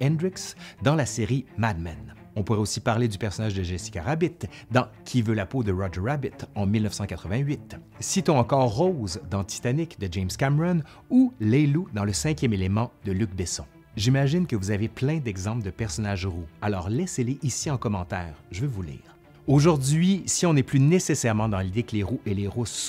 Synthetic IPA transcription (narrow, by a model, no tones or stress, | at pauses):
ɛ̃nd̪ʁɪksd̪ɑ̃laseʁimad̪man | ɔ̃puʁɛosipaʁled̪ypɛʁsɔnaʒd̪əʒɛsi̥kaʁabɪt̪d̪ɑ̃kʲʰivølapod̪əʁɔd͡ʒəʁabɪt̪ɑ̃milnəfsɑ̃kat̪χəvɛ̃ɥit̪ | sit̪ɔ̃ɑ̃kɔːʁːozd̪ɑ̃t̪i̥t̪anikd̪əd͡ʒɛmskamʁɔn | ulelud̪ɑ̃ləsɛ̃kʲjɛmelemɑ̃d̪̥əlyk̚bɛsɔ̰̃ | ʒimaʒɪnkəvuzaveplɛ̃d̪ɛɡzɑ̃pld̪əpɛʁsɔnaʒʁualɔːʁlɛseleʔisiɑ̃kɔmɑ̃t̪ɛːʁʒəvøvulḭːʁ | oʒuʁd̪ɥisiɔ̃nɛplynesesɛʁmɑ̃d̪ɑ̃lid̪ekleʁuʔeleʁus